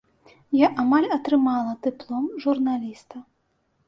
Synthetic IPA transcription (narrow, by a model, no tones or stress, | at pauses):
jaʔamalʲɐt̪ɾɨmalˠɐd̪ɨplˠɔmʐurnalʲist̪ɐ